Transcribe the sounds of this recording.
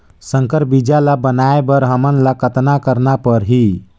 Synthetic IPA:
səŋkəɾbid͡ʒalabənaebəɾɦəmənlakət̪nakəɾnapəɾɦi

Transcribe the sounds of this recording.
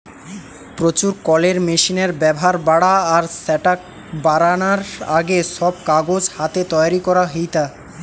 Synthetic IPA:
pɾot͡ɕuɾkɔleɾmeʃineɾbɛboɦaɾbaɽaːɾsɛʈak̚ | baɾanaɾa̰ɡeʃɔb̚kaɡod͡ʑhat̪et̪ɔjaɾikɔɾaɦit̪a

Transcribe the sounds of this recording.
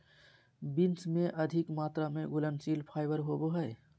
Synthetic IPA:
bɪnsmẽʔəd̪ʱɪkmaːt̪ɾamẽɡʊlənsiːlpʰaːɪbəɾɦoːboɦɛj

